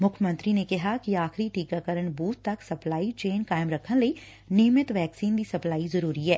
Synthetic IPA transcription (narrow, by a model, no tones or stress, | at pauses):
mʊkʰmə̃nt̪ɾinekɐɦakiaːxɾiʈiːkakəɾənbuːt̪t̪ːɐksɐplaːit͡ʃeːnkaːɪmɾɐkʰːənlei | nɪːmɪət̪ʋɛːksiːnd̪isɐplaːizɐɾuːɾiɦɛː